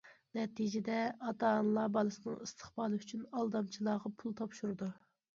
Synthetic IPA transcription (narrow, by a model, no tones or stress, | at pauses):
nɛt̪id͡ʒɪd̪ɛɑt̪ɑnlˠɑbɑlˠɨsɨnɨŋist̪ʰə̥χbɑːlˠɨyt͡ʃʰynɑlˠd̪ɑmt͡ʃʰilˠɑːʁɑpʰulˠt̪ʰɑpʃuɾɨd̪u